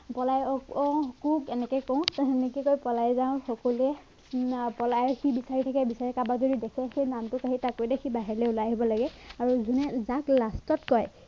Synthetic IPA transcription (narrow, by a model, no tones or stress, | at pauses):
pɔlajɔkɔkukɛnɛkɛkɔʊ̃ɛnɛkɛkojpɔlajzãʊ̃xɔkɔluɛ | pɔlajxibisaɹitʰakɛbisaɹɛkabakzodidɛkʰɛxejnamtʊkaɦitakodɛxibaɦɛɹlɛulajɦibɔlaɡɛaɹuzʱunɛzaklastɔtkɔj